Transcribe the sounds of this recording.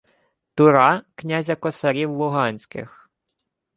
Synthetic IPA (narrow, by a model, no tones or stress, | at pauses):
t̪ʊɾɑknʲazʲɐkɔsɐɾʲiwlˠʊɦɑnʲsʲkɪ̰x